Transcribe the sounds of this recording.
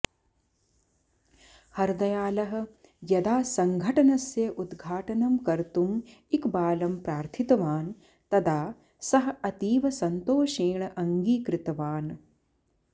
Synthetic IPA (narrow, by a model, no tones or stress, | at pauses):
hɐɾd̪ɐjaːlɐɦɐ̆ | jɐd̪aːsɐŋɡʱɐʈɐnɐsjɐʔud̪ɡʱaːʈɐnɐmkɐɾt̪umikbaːlɐmpɾaːɾt̪ʰit̪ɐʋaːn | t̪ɐd̪aː | sɐɦɐ̆ɐt̪iːʋɐsɐnt̪oːʃeːɳɐʔɐŋɡiːkɾɪt̪ɐʋaːn